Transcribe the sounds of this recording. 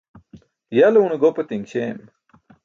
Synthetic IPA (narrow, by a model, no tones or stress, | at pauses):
jɐlunɡopɐt̪iŋɡɕem